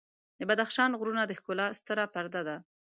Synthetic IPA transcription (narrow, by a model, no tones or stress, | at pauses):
d̪əbad̪axʃɑnɣɾunad̪əxkʊlɑst̪əɾapaɾd̪ad̪a